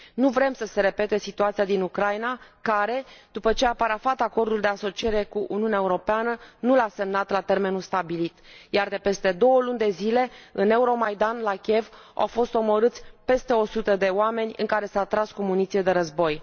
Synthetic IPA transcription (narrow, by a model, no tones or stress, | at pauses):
nuvɾe̞msəse̞ɾe̞pe̞t̪e̞sit̪uat̪sijad̪inukɾajnakaɾe̞d̪̥upət͡ʃe̞apaɾafat̪ako̞rd̪uld̪e̞aso̞t͡ʃie̞ɾe̞kuʔṵniunʲaeuɾo̞peanənulase̞mnat̪lat̪e̞rme̞nulst̪abilit̪jard̪e̞pe̞st̪e̞d̪o̞wəlunʲd̪e̞zile̞ɨne̞uɾo̞majd̪anlakʲie̞v | ʔa̰wfo̞st̪o̞mo̞ɾɨt̪sʲpe̞st̪e̞o̞sut̪əd̪e̞oame̞nʲɨ̰ŋkaɾe̞saːt̪ɾaskomunit̪sijed̪e̞ɾəzbo̞j